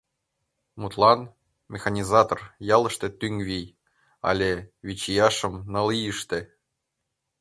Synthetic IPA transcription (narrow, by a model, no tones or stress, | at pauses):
mut̪lˠɑn | mʲexɑnʲizɑt̪orjɑlˠɤ̆ʃt̪ĕt̪yŋvʲij | ɑ̰lʲevʲit͡ɕijɑʃɤ̆mnɤ̆lijəʃt̪ĕ